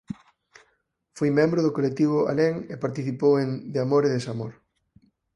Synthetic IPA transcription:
fojmɛ̃mbɾʊðʊkolek̚t̪iβ̞ʊa̰leŋepaɾt̪iθipowend̪ɪamoɾeðesamoɾ

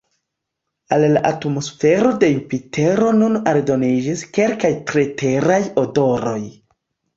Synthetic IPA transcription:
allaʔatmo̞sfe̞ɾo̞de̞impitʰe̞ɾo̞nunaɾdo̞nid͡ʒiske̞lkajtɾete̞ɾajodo̞ɾo̞j

